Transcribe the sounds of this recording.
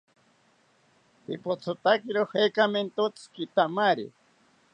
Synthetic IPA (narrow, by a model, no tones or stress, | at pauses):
pipot͡sʰot̪akiɾoχekament̪ot͡skit̪amaɾḭ